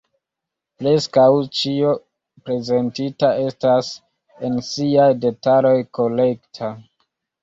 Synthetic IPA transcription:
pɾe̞skawt͡ʃio̞ | pɾe̞ze̞ntitae̞stas | e̞nsiajde̞talo̞jko̞le̞ktʰa

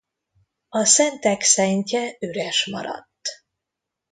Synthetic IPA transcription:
ɒsɛnt̪ɛksɛɲcɛøɾɛʃmɒ̰ɾɒ̰t̪ː

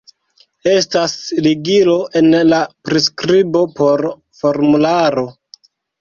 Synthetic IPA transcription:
e̞stasliɡilo̞ʔe̞nlapɾiskɾibo̞po̞ɾ | fo̞ɾmulaɾo̞

